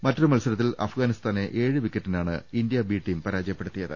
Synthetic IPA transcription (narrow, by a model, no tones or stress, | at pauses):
mɐtːrɨmɐlsɐlɐt̪ːilɐ̰fɡaːnist̪aːne̞ʔe̞ːɻɨʋikːɐtːinaːɳɨ̰ind̪ijɐbiːʈːijmpɐɾaːd͡ʑɐjɐpːe̞ɽut̪ːijɐðɨ̰